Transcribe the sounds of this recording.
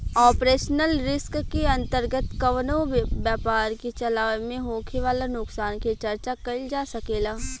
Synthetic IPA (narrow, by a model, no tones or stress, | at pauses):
ɔːpɾeːʃnəlɾɪskkeɐ̃nt̪əɾɡət̪kɐʋnoʋjaːpaːɾket͡ʃɐlaːmẽɦoːkʰeʋaːlanʊksaːnket͡ʃɐɾt͡ʃakɐld͡ʒaːsɐkeːlaː